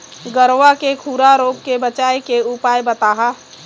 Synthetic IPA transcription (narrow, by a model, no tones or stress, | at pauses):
ɡəɾʋakekʰuːɾaɾoːp̚kebət͡ʃaːjkeʊpaːjbət̪aːɦa